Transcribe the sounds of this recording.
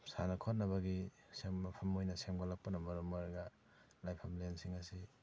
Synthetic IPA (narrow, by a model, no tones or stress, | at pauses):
sanakʰot̚nɐβaɡi | semːɐpʰɐmːojnɐsemɡɔlak̚punɐmɐɾɔmɔɾɡa | lajpʰɐmlensiŋasi